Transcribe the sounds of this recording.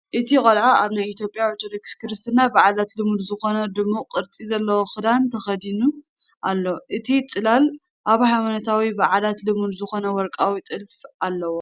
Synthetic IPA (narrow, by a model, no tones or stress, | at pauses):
ʔɨt̪ʰikʼɐlʕaaβnajit̪ʰjo̞pʼjawt̪ʰod̪okskʰɨɾɨst̪ʰɨnabaʕalat̪lɨmud̪zɨxo̞nɐd̪ɨmːuqʼɨɾt͡sʼizɐlːɐwoxɨd̪ant̪ʰɐxɐd̪inu | ʔalːoʔɨt̪ʰit͡sʼɨlal | ʔaβhajmanɐt̪ʰawibaʕalat̪lɨmud̪zɨxo̞nɐwɔɾkʼawit̪ʼɨlfʔalːɐwo